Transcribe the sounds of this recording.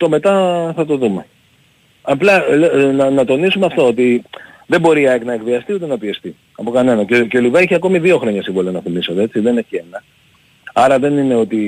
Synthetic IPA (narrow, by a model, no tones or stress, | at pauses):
t̪o̞me̞t̪ɐθɐt̪o̞ðume̞ | ɐplɐlenɐnɐt̪o̞nisumeɐft̪o̞ot̪iðembo̞ɾiɐeknɐekðiɐst̪iut̪enɐpiest̪i | ɐpo̞kɐne̞nɐceceo̞livɐeçiɐko̞miðio̞xɾo̞ɲɐsivolonɐθimiso̞t̪ee̞t͡siðe̞ne̞çie̞nɐ | ɐɾɐðe̞nine̞o̞t̪i